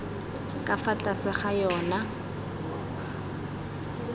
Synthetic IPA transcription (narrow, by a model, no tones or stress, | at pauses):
kʼafat͡ɬʼasɪχajɔːna